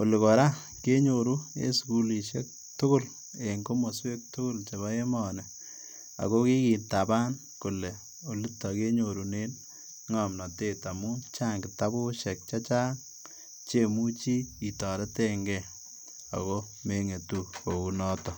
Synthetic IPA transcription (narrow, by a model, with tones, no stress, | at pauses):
o˨lɪ˨ko˨ɾa˦ | ke˦ɲo˨ɾu˦ḛ˦sku˦li˨ʃe˦k̚ | tʊ˦kʊ˦l | e˨ŋko˦mo˨swe˦k̚tʊ˦kʊ˦lt͡ʃe˨βa˦e˦mɔ˨nɛ˨ | a̰˨ko˦ki˦kiː˨nta˨baː˦n | ku˨le˨ | o˨li˦tːɔ˨ke˦ɲo˨ɾu˨ne˦n | ŋɔmnɔ˨teː˦˨ta˨mu˦t͡ʃaː˦ŋkɪ˨ta˦bu˦ʃɛ˨k̚t͡ʃa˦t͡ʃaː˦ŋ | t͡ʃe˦mu˦t͡ʃi˦i˨tɔ˨ɾe˦teŋɡɛ˨ | a̰˨ko˦ | me˨ŋe˨tu˦ko˨ku˨nɔ˦tɔ˦